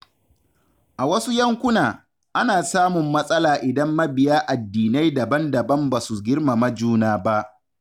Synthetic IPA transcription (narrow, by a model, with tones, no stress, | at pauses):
ʔa˨wɐ˦su˦jɐ˦ŋkʷʊ˦naː˨ | ʔa˦naː˨saː˦mʊ˨mːɐ˦sʼɐ˦laː˨ʔɪ˨dɐ˦mːɐ˦bɪ˨jaː˦ʔa˨dːiː˨na˦jdɐ˨bɐ˦ndɐ˨bɐ˦mbaː˨su˨ɡʲɪ˦rma˨mɐ˦d͡ʒuː˦naː˦ba˦ʔ